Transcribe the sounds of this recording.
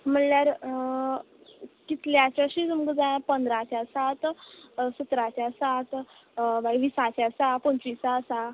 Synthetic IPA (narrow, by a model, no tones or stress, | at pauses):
m̤əɳljaɾ | kit̪ljat͡ɕaɕid͡zumɡəd͡zajãpənd̪ɾat͡ɕasat̪sət̪ɾat͡ɕasat̪ | ʋajʋisat͡ɕasapəɲt͡ɕisasa